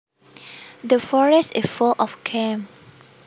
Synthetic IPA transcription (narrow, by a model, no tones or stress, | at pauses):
dəfɔɹɛsɪfulʔɔfkʰɛ̃m